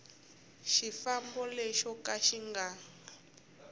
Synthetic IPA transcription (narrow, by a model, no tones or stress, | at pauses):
ʃifambɔleʃɔkaʃiŋɡaː